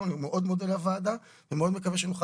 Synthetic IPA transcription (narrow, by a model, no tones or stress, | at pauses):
numeʔo̞d̪meodelavad̪a | vemeod̪mekaveʃenuχa